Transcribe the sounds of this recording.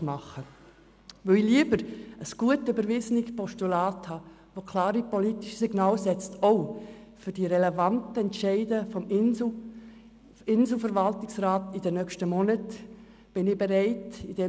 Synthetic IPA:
mɑχə | vœiliəbəɾəsɡ̥uətøbəɾvɪzənɪkpɔʃtulaːthɑː | vokʰlɑːɾipolitiʃsiɡnaːlsɛt͡stʰoʊ | fʏɾd̥iɾɛlɛvɑntəɛntʃɛɪdəfɔm | ɪnzl̩fəɾvɑltɪksraːtid̥ənœkʃtəmɔnət | b̥ɪnɪbɛɾɛɪtid̥ɛ

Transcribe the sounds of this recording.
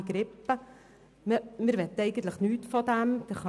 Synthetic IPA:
ɡ̥ɾɪpːə | məmɪɾʋɛt̪ːəɛɪɡən̩t̪ləχnyːtfɔd̪æmd̥ɛɾχɑ

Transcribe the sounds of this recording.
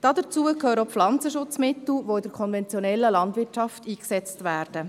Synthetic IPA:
d̥ɑdət͡suːəkʰøːɾəoflɑnt͡səʃʊt͡smɪt̪l̩ʋoɪd̥əɾkʰɔnvɛnt͡sjɔnɛlːəlɑndʋɪtt͡ʃɑftiːksɛt͡stʋæːɾd̥ə

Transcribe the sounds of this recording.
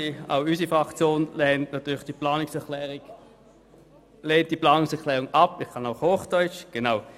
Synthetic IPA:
ia̰ʊys̬ifʁakt͡sjoːnlɛntnatyːlɪχd̥iplaːnɪksɛʁkʰlɛːʁiɡ̥ | leːnt̚d̥iplɑːnʊŋsɛɐkʰlɛːʁʊŋapɪχkʰɑnaʊxhoːχd̥œʏt͡ʃɡ̥enaʊ

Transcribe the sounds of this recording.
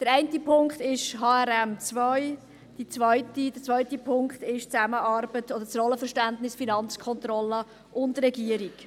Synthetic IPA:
d̥əɾɛɪntipʰʊŋkχtɪʃɦɑːɛɾɛmt͡svœʏ | d̥it͡sʋœʏtid̥ət͡sʋœʏtipʰʊŋkχtɪʃt͡sæməʔɑːɾbətɔd̪əɾt͡srɔləfəɾʃtæntnɪsfinɑnt͡skʰɔnt̪ɾɔlə | ʔʊndrɛɡiəɾik

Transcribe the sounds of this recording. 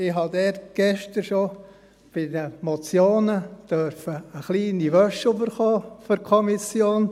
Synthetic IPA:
ɪɦɑd̪ɛːtɡ̥ɛʃtəɾʃo | b̥ɪdəmot͡sjoːnəd̥œɾfəːχliːniʋœʃybəɾχoːfɔɾkʰɔmisjoːn

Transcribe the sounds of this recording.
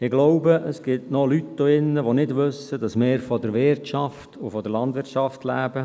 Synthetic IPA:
ɪɡloʊbəʔəsɡ̥ɪtnɔlytːoɪnːəʋonɪdʋʏsːədɑsmɪːɾfɔdəɾʋɪɾtt͡ʃɑftʊfɔdəɾlɑndʋɪɾt͡ʃɑftlæːb̥ə

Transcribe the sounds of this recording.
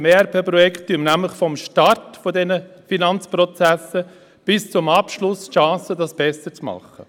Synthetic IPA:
meɛɾpʰeːpɾɔjɛktːyəmnæmləχfɔmʃtɑɾtfɔdɛnəfinɑnt͡spɾɔt͡sæsə | b̥ɪst͡sʊmɑpʃlʊsʃɑ̃ːsədɑsb̥ɛsət͡smɑ̰χːə

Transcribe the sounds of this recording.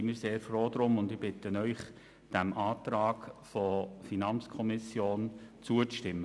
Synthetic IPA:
imiːɾseːɾfɾoːd̪ɾʊmʊndɪb̥ɪt̪ənœʏχ | d̥æmʔɑːtɾɑːkfɔfinɑnt͡skʰɔmɪsjoːnt͡suət͡stɪmːə

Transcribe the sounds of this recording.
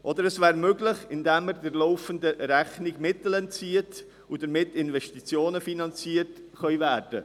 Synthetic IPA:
ʔɔd̪əɾɛsvæːɾmøɡlɪχɪndɛməɾdɪɾlɔʊfəndəɾæχniɡmɪtəl̩ɛnt͡siət | ud̥əɾmɪtːɪnvɛʃtit͡sjoːnəfinɑnt͡siːət | χœʏvæːɾd̥ə̰

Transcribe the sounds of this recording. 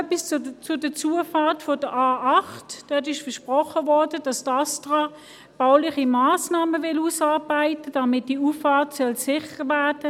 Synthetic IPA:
œpist͡sʊd̥ət͡suːəfɑːtfɔd̥əʔaːʔɑχtd̥œt̬ɪʃfɐʃpʁɔχəvɔɐd̥əd̥ɑstɑstʁɑ | b̥aʊlɪχimaːsnɑːməvɪluːsɑːɐbaɪtəd̥ɑmɪt̚d̥iuːfːɑːtsœlsɪχəʁvæɐd̥ə

